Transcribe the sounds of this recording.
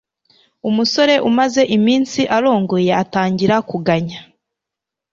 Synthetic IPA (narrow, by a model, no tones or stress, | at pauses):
umuso̞ɾe̞ʔumaze̞ʔimiːnsiʔaɾo̞ːŋɡoje̞ataːɲɟiɾakuɡaɲa